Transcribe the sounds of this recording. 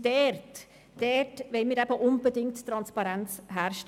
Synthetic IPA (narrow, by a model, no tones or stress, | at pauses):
d̥ɛrt | d̥ɛtvɛlmiːɾæbəʔʊnbədɪŋttːɾɑnspɑɾɛnt͡sɦæːɾʃt